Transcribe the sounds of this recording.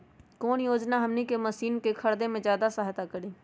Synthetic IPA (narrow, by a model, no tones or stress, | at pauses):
koːnjoːd͡ʒnaɦɐmnikemɐsiːnkekʰɐɽd̪ẽmẽzjaːd̪asaɦt̪akəɾiː